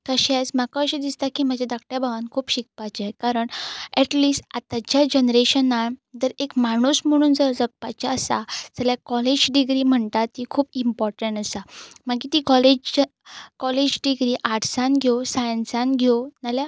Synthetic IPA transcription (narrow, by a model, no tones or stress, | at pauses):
kəɕat͡sm̤akaəɕid̪ist̪akim̤əd͡ʑad̪ak̚ʈjabaʋankʰuːpɕik̚pat͡ɕakaɾəɳɛʈliːsʈat̪ad͡ʑad͡ʑənɾeɕənːad̪əɾekmaɽ̃usm̤əɽ̃uːnd͡zəɾd͡zək̚pat͡ɕaəsa̰d͡zəljakɔled͡ʑɖiɡɾim̤əɳt̪at̪ikʰuːpimpɔɾʈəɳʈəsamaɡkit̪ikɔled͡ʑ | kɔled͡ʑɖiɡɾiʔaʈsãnɡʱjosajənsãnɡʱjonalja